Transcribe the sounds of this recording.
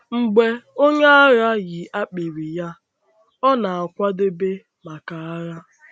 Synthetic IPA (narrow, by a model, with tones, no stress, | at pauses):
ŋ͡m̩˨ɡ͡be˦o˦ɲe˦a˦ɣa˦ɣi˨ʔa˦k͡pi˨ɾi˨ja˦ | ɔ˦na˨a˨kʷa˦dɪ˦be˦ | ma˨ka˨a˦ɣa˦